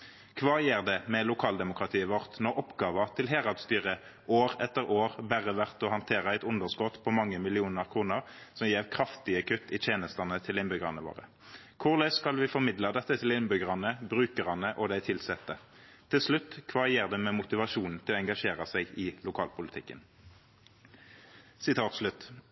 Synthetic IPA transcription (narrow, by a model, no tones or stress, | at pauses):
kʰʋɑːjeːʁd̪ɛmɛlʊkʰɑːld̪ɛmʊkʁɑt̪ʰiːəʋɔʁt̪nɔʔɔpɡɑːʋɑt̪ʰɪlɦeːʁɑd̪st̪yːʁə | ʔoːʁɛt̪ːəʁoːʁbæʁəʋæʁt̪ɔhɑnt̪ʰeːʁəæɪt̪ʊnd̪əʁskɔt̪pʰɔmɑŋːəmɪlɪuːnəʁkʰʁuːnəʁsɔmjeːʁkʰʁɑft̪ɪəkʰʉt̪ːɪt̪ʰjeːnəst̪ɑnət̪ʰɪlɪnbʏɡʁɑnəʋo̰ːʁə̰ | kʰʊʁlɛskɑlʋɪfɔʁmɪd̪lɑd̪ɛt̪ːət̪ʰɪlɪnbʏɡəʁɑnəbʁʉːkəʁɑnəʔɔd̪æɪt̪ʰɪlsɛt̪ːə | t̪ʰɪlslʉt̪ːkʰʋɑːɪjeːʁd̪ɛmɛmʊt̪ɪʋɑʃuːnn̩t̪ʰɪlɔɛŋɡɑʂeːʁəsæɪɪlʊkʰɑːlpʊlɪt̪ʰɪkːə̰n | sɪt̪ʰɑːt̪ʂlʉt̪ː